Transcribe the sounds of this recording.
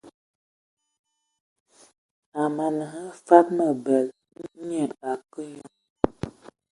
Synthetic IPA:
a˨ma˨nə˨ŋə˦fa˦t̚mə˨bə˨l | ɲə˨a˨kə˦ɲɔ˦

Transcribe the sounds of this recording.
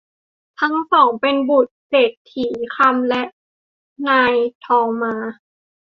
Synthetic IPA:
t̪ʰa˦˥ŋsɔː˨˩˦ŋpe˧nbuː˨˩t̪̚seː˨˩t̪ʰːiː˨˩˦kʰa˧˥˨mlɛ˦˥ʔ | naː˧jt̪ʰɔː˧maː˧

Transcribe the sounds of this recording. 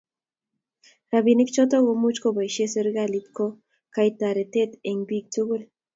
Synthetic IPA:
ɾa˨bi˨nɪ˦kt͡ʃɔ˦tɔ˦ɣo˨mu˦t͡ʃkoba˨ʃe˦se˦ɾɡa˦lit̪ko˦ | ka˦ita˨ɾe˨te˦t̪e˨ŋbi˦k̚tu˦ɣu˦l

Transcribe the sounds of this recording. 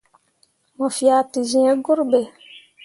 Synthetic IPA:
mɔ˨fi˨a˨ti˨zĩ˨ɛ˦ɡʊ˦ɾbe˨

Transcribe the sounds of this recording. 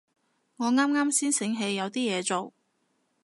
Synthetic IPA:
ŋɔː˨˧ŋaː˥mŋaː˥msiː˥nsɪ˨˥ŋɦe˨˧jːɐ˨˧wt̪iː˥jɛː˨˧t͡so˨w

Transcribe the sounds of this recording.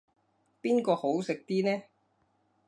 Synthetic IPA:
piː˥nkɔː˧ho˨˥wsɪ˨k̚t̪iː˥nɛː˥

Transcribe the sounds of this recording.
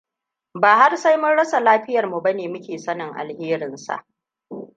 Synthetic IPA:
baː˨ha˦rsa˦jmʊ˦ɽɐ˦sa˨laː˦ɸɪ˦jɐ˨rmu˨bɐ˦neː˨mʊ˦kʲeː˨sɐ˦nɪ˨ŋʔa̰˨lheː˦ɾɪ˨nsa̰˨ʔ

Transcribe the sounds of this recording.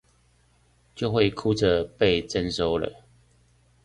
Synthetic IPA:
t͡ɕjo˥˧ʊxwe˥˨ɪkʰu˦d͡zə˨pe˥˨ɪt͡sə˦nso˦ʊlə̰˨

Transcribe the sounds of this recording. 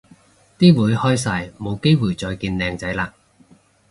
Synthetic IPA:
t̪iː˥wuː˨˧jhɔː˥js̬aː˧jmo˨˧wke˥jwuː˨˩jt͡sɔː˧jkiː˧nlɛː˧ŋt͡sɐ˨˥jlaː˧

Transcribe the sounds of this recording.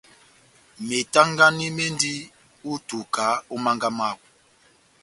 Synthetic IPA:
me˨ta˦ŋɡa˦ni˦me˦ndi˦ | u˦tu˨ka˨˦u˦ma˦ŋɡa˦ma˦˨w

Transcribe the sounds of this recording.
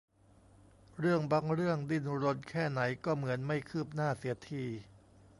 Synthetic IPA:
ɾɯ˥˩əŋba˧ŋɾɯ˥˩əŋdi˧˩nɾo˧˥nkʰɛː˥˩na˩˦jkɔː˥˩mɯ˩˦ənma˥˩jkʰɯː˥˩p̚naː˥˩si˩˦ɐt̪ʰiː˧

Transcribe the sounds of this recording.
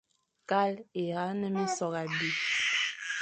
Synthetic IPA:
ka˦le˨ɣa˨˦nə˦mi˦sɔ˨ɣa˨bi˨

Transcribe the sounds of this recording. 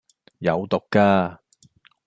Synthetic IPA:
jɐ˨˧wt̪ʊ˨kːaː˧

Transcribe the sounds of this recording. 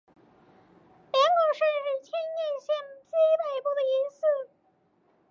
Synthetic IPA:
pɛ˧˥ŋkɔ˨˩ʂə˥˧ʂɻ̩˥˩t͡ɕʰjɛ˥njɛ˥˧nɕjɛ˥˩nt͡se˥pe˥˩ɪpu˥˩d̪ə˩i˧˥ns̩˥˩

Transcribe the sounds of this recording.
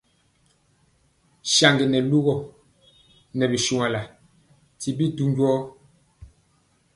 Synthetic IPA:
ʃa˨ŋɡi˨nɛ˨lu˦ɣɔ˨ | nɛ˨bi˨ʃu˨ŋa˨la˨ | ti˨bi˦tu˦ɲɟwɔː˦

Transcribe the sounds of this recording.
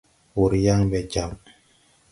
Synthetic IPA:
wu˨ɾja˦ŋbɛ˨d͡ʒa˨m

